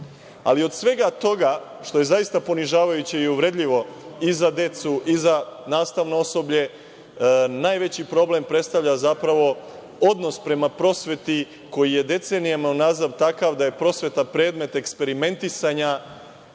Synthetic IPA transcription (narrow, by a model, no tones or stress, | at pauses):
a̰lio̞d̪sʋe̞ɡat̪o̞ɡa | ʃt̪o̞je̞zajist̪apo̞niʒaːʋajut͡ɕiiuʋɾe̞d̪ʎʲiʋo̞izad̪e̞t̪suʔizanaːst̪aʋnooso̞bʎe̞ | naːjʋe̞t͡ɕipɾo̞blempɾe̞t̪st̪aʋʎazapɾaʋo̞ | o̞d̪no̞spɾe̞mapɾo̞sʋe̞t̪i | ko̞jije̞d̪e̞t̪se̞nijamaunazaʋt̪akaʋd̪aje̞pɾo̞sʋet̪apɾe̞ːd̪me̞t̪e̞kspe̞ɾime̞nt̪isaɲa